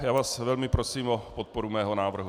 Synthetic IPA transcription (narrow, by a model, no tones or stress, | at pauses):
jaːvaːsvɛlmɪpɾosiːmʔopot̪̚poɾumɛːɦonaːvr̩ɦu